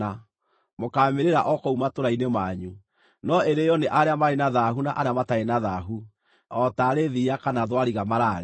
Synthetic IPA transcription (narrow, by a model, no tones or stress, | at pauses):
a | mokameɾeɾa̰ʔɔkɔumatoɾainemaːɲu | nɔeɾejɔneʔaɾeamaɾenaðaɦunaʔaɾeamataenaðaɦu | ɔtaːɾeðiakanaðwaɾiɣamaɾaɾe